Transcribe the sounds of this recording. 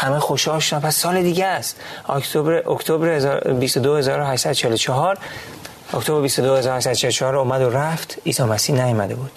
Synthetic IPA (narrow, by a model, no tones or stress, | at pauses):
hæmexo̞ʃhɒːlʃod̪æmpʰæsːɒːled̪iːɟæst̪ɒ̰kt̪ʰobɾeʔokt̪ʰobɾezbist̪od̪ohe̞zɒːɾoɦæʃsæd̪ot͡ʃʰeelot͡ʃʰɒɦɒːɾ | okt̪ʰobɾebist̪od̪ohezɒːɾohæʃsæd̪o̥t͡ʃʰelot͡ʃʰɒhɒːɾomæd̪oɾæft̪ʰiːsɒːmæsiːnæjɒmæd̪e̞buːd̪̥